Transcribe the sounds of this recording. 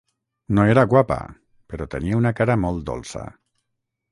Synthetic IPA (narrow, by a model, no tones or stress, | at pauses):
noeɾaɣwapa̰ | peɾɔt̪ḛniaunakaɾamolˠt̪d̪o̰lˠsa̰